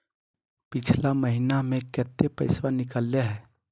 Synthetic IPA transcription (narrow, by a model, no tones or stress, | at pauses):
pɪt͡ʃʰlaməɦinamẽkɛːt̪ːepəɪswanɪkəlːaɦɛː